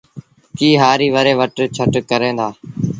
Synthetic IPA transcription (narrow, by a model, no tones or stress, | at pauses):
kiːɦaːɾiːʋəɾeːʋəʈt͡ʃʰəʈkəɾẽːd̪aː